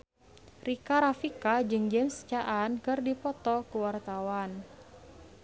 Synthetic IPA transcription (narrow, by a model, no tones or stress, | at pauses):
rikaɾafikad͡ʒɨŋd͡ʒɛmst͡ʃaʔankɨrdipɔt̪ɔkuwart̪awan